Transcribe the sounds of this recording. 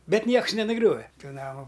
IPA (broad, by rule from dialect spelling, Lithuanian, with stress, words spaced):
ˈbʲɛt ˈnʲiɛks nʲɛnʊˈɡrʲoːʋʲɛ ˈtuː ˈnɑːmʊ